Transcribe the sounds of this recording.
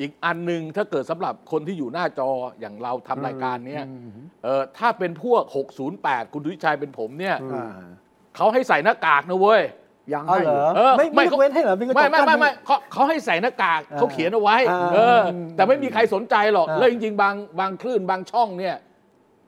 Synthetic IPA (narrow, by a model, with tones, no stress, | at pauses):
ʔiː˨˩k̚ʔa˧nːɯ˧ŋt̪ʰaː˥˩kɤː˨˩t̪̚sa˩˦mɾa˨˩p̚kʰo˧nt̪ʰiː˥˩juː˨˩naː˥˩t͡ɕɔː˧ja̰ː˨˩ŋɾa˧wt̪ʰa˧mɾaː˧jkaː˧nːi˥˩ɐʔɤː˨˩t̪ʰaː˥˩pe˧npʰu˥˩ɐk̚ho˨˩k̚suː˩˦npɛː˨˩t̪̚kʰu˧ntʰi˦˥t͡ɕʰaː˧jp̬e˧npʰo˩˦mni˥˩ɐ | kʰa˦˥wɦa˥˩jsa˨˩jnaː˥˩kaː˨˩k̚na˦˥woː˧˥j | ɤː˧a˥˩ma˥˩jka˥e˧˥a˥˩˨ma˥˩jma˥jma˥˩ma˥˩jkʰɔ˦˥kʰːa˦˥wɦa˥˩jsa˨˩jnaː˥˩kaː˨˩k̚ʰːa˦˥wkʰi˨˩˦nʔa˧wa˦˥jʔɤː˧t̪ɛː˨˩ma˥˩jmiː˧kʰa˧jso˩˦nt͡ɕa˧jlɔ˨˩k̚lɛː˦˥t͡ɕi˧ŋt͡ɕi˧ŋbaː˧ŋbaː˧ŋkʰlɯː˥˩nbaː˧ŋt͡ɕʰɔ˥˩ŋni˥˩ɐ